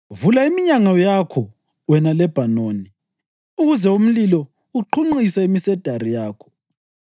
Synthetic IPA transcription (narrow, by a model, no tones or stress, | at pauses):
vulaimiɲaŋajakʰɔ | wɛnalɛb̥ʱanoːni | uɣuzɛum̩lilɔ | uǃʰuŋ͡ǃisaimisɛd̥ʱaɾijaːkʰɔ̥